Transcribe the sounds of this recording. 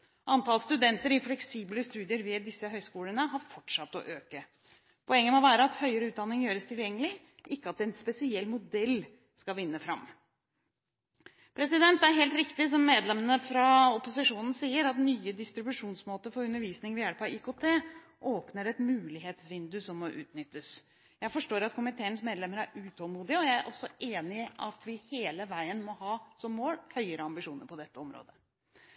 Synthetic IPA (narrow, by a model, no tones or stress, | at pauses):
ʔɑnt̪ʰɑlst̪ʉd̪ɛnt̪əɾɪflɛksiːbləst̪ʉːd̪ɪəɾʋɛd̪ɪsːəɦœʏskuːlənəɦɑɾfɔʈʂɑt̪ːɔ̰ʔøːkə | pʰɔɛŋːəmoːʋæːɾəɑt̪hœʏəɾəʉːt̪d̪ɑnːɪŋjøːɾəst̪ʰɪljɛŋːəlɪ | ʔɪkːəɑt̪̚d̪ɛnspɛsɪɛlːmʊd̪ɛlː | skɑlʋɪnːəfɾɑm | pʰɾɛsɪd̪ɛnt̪æɾɦeːlt̪ɾɪkt̪ɪs̬ɔmːeːd̪lɛmənəfɾɑɔpʊsɪʂuːnn̩siːəɾɑt̪nyːəd̪ɪst̪ɾɪbʉʂuːnsmoːt̪əfɔɾʉnːəɾʋiːsnɪŋʋɪæːlpʰɑikot̪ʰeː | ʔoːpnəɾɛt̪mʉːlɪɦeːt̪sʋɪnd̪ʉsɔmːɔʔʉ̰ːt̪nʏt̪ːəs | jæɪfɔʂʈoːɾɑt̪kʰʊmɪt̪ʰeːənəsmeːd̪lɛmːəɾæɾʉt̪ʰɔlmuːd̪ɪəɔjæɪæɾʔɔsːɔʔeːnɪʔɑt̪ʰʋɪheːləʋæɪənmɔhɑːsɔmːoːlhœʏəɾəɑmbɪʂuːnəɾpʰɔd̪ɛt̪ːəɔmɾo̰ːd̪ə